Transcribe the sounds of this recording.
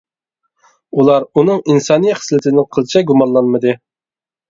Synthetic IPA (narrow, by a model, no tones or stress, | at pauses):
ulˠɑɾunɨŋinsɑːnɨjχə̥slɪt̪ʰɪnɪqʰəlˠt͡ʃʰɛɡumɑnlˠɑnmɨd̪ɨ